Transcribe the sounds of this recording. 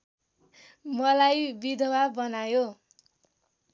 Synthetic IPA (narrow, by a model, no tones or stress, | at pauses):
mʌlajbid̪ʱʌwabʌnajo